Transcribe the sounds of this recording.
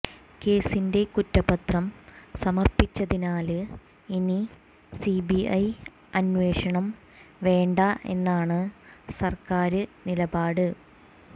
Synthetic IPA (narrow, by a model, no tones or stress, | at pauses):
ke̞ːsinde̞kutːɐbɐt̪rɐmsɐmɐrpit͡ɕːɐðinaːlɨ | ini | sibiʔɐj | ɐnʋe̞ːʂɐɳɐm | ʋe̞ːɳɖɐe̞̰nːaːɳɨsɐrkaːɾɨnilɐbaːɽɨ